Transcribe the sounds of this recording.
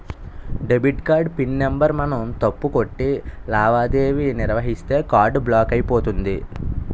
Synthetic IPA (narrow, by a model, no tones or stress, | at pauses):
ɖebiʈkaːɾɖpinːembɐɾmɐnɐmt̪ɐpːuko̞ʈːilaːʋaːd̪eːʋiniɾʋɐɦist̪e̞ːkaːɾɖblaːkɐjipo̞ːt̪und̪i